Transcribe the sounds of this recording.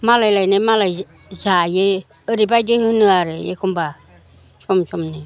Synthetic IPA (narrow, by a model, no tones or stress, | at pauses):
malajlajnemala | zaje | əɾibajdehɯnɯaɾɯjḛkʰumba | t͡ʃʰɔmt͡ʃʰumni